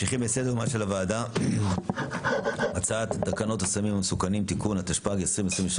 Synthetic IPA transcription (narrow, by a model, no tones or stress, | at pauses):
ʃiχimbesed̪eʁmaʃelavaːd̪a | at͡saat̪d̪akano̞t̪hasamimamesukanimt̪ikunat̪aʃpaɡesʁimesʁimeʃ